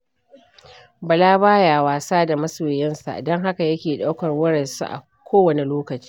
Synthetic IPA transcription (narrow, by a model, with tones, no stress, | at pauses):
bɐ˨laː˦baː˦jaː˨waː˨saː˦da˨mɐ˦soː˨jɛ˦nsa̰˨dɔ˦ŋɦa˦ka˨jɐ˦kʲeː˨ɗa˦wkɐ˨rwɐ˦ɽɐ˨nsṵ˦ʔa̰˨ | kʷʰoː˦wɐ˨ne˨loː˦kɐ˨t͡ʃi̥ː˦